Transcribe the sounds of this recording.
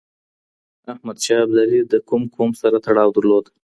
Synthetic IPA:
ahmad̪ʃɑblaɾid̪əkumkʰomsaɾat̪aɽɑwd̪əɾlod̪

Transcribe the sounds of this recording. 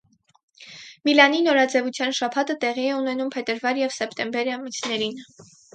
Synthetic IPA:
milɑninɔɾɑd͡zɛvut͡sʰjɑnʃɑpʰɑt̪ət̪ɛʁiɛunɛnumpʰɛt̪əɾvɑɾjɛvsɛpʰt̪ɛmbɛɾɑmit͡sʰnɛɾin

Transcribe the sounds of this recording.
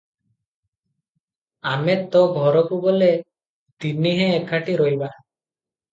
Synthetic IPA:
amet̪ɔɡʱɔɾɔkubɔle | t̪iniɦɛ̃ːkʰaʈiɾɔɦjba

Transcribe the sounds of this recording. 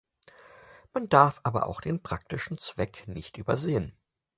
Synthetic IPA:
mandaɐfʔaːbɐ̰ʔa̰ʊxd̥eːnpʁ̥ak̚tɪʃn̩t͡sv̥ɛknɪçtʔyːbɐzeːən

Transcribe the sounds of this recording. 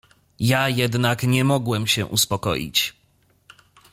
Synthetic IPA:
jajɛd̪nakɲɛmɔɡwɛmɕɛ̰ʔuspɔkɔ̰jḭt͡ɕ

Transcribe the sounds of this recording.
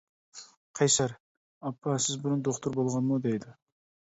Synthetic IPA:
qʰɑjsɑɾ | ɑpʰːɑsɪzbʊɾund̪oχt̪ʰuɾbolˠʁɑnmud̪ejd̪ɪ

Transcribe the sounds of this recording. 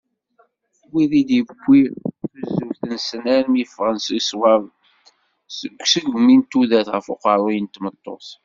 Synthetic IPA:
wiðid̪əɡʷːiθəzuθənsnæɾmjəfʁənsiswɑv | səɡʷsəɡmint̪uðæθʁəfoqəɾˤojənt̪mət̪ˤːo̰θ

